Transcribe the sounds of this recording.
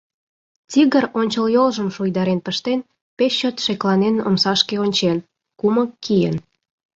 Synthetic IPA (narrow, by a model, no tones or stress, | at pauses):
t͡siɣəronʲt͡ɕəljolʒəmʃujd̪ɑɾenpəʃt̪en | pesːot̪ʃeklɑneno̰msɑʃkeonʲt͡ɕen | kuməkːijə̰n